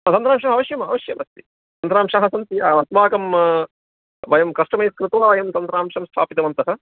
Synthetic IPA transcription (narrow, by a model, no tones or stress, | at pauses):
t̪ɐnt̪ɾaːmʂɐmɐʋɐʃjɐmɐʋɐʃjɐmɐst̪i̥ | t̪ɐnt̪ɾaːmʂaɦɐsɐnt̪iɐɐt̪ʋaːkɐm | ʋɐjɐmkɐʂʈɐmɐjskɾɨt̪ɐɐʋɐjɐmt̪ɐnt̪ɾaːmʂɐmst̪ʰaːpit̪ɐʋɐnt̪ɐɦɐ